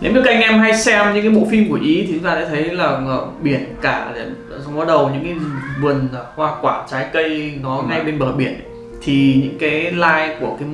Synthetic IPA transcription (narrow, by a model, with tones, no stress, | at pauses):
ne˨˦wɲə˨˦kʔa˧ŋ̟ʔɛ˧mɦa˧jsɛ˧mɲɨ̰˧˥ŋkaː˨˦ɓo̰˧˥fi˧mku˧˩əʔi˨˦t̪i˨˦zaː˨˩sɛ̰ː˧˥t̪ʰə˨˦jlaː˨˩˧ɓi˧˩ənkaː˧˩˨ | sa˧wŋ͡mɓaː˨˦˥ɗə˨˩wɲɨ̰˧˥ŋkaː˨˦˧vɨ˨˩ənː˨˩hwaː˧kwaː˧˩t͡ɕaː˨˦jkə˧jnɔ˨˦ŋa˧jɓe˧nɓəː˧˩ɓi˧˩ən | t̪ʰi˨˩ɲɨ̰˧˥ŋkaː˨˦jlaː˧jku˧˩əkaː˨˦